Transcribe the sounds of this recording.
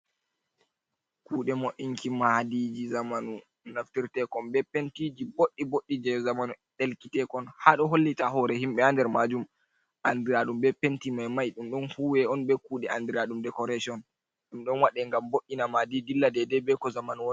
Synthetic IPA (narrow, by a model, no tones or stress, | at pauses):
kuːɗɛmoʔiŋkʰimahdid͡ʒizamanu | naftiɾtɛkɔmbɛpentid͡ʒiboɗːiboɗːid͡ʒɛzamanu | ɗelkitɛkɔnhaɗɔɦolːitaɦɔɾɛhimɓɛandɛɾmad͡ʒum | ʔandiɾaɗumbɛpentimajmajɗumɗɔnhuːwɛɔnbɛkuːɗɛandiɾaɗumdɛkɔɾasiɔn | ɗumɗɔnwaɗɛŋɡamboʔːinamadidilːadɛdɛbɛkɔzamanuwɔn